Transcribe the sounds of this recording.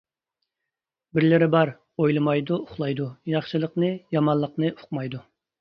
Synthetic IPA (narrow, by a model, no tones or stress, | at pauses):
bɪɾlɪɾɪbɑɾ | ojlˠɨmɑjd̪uʊχlˠɑjd̪ujɑχʃɨlˠəqnɨjɑmɑnlˠəqnɨʔʊ̥qmɑjd̪u